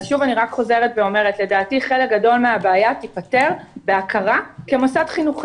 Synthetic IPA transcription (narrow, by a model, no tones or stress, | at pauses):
ʃuvaniʁakχo̞ze̞ʁetveo̞me̞ʁetle̞daːtiχe̞lek̚ɡado̞lmeabaːjat̪ipate̞ʁbeakʰaʁakemosadχinuχ